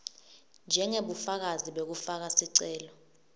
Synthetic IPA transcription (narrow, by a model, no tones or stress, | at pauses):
nd͡ʒʱɛŋeɓufak̬aziɓek̬ufak̬asiǀɛːlɔ